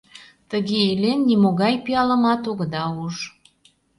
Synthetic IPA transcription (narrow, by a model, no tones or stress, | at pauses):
t̪əɣeilenːimoɣɑjpiɑləmɑt̪oɣə̆d̪ɑuʃ